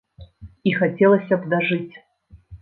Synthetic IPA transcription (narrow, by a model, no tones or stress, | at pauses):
ixat͡sʲɛlˠɐsʲɐbd̪ɐʐɨt͡sʲ